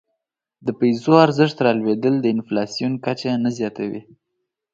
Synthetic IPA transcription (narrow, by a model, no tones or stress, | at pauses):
d̪əpajzoaɾzɪʂt̪ɾɑlwed̪əld̪əɪnflɑsijunkat͡ʃanazjɑt̪awḭ